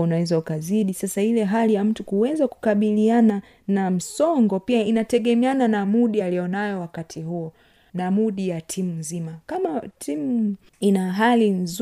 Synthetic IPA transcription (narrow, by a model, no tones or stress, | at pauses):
unawɛzaukaziɗisasailɛɦalijam̩tukuwɛzaku̥kaɓiliana | nam̩sɔŋɡɔpiainatɛɠɛmɛananamuɗialijɔnajɔwakatʰiɦuɔ | namuɗijatʰimumzimakamatʰimu | inaɦalinz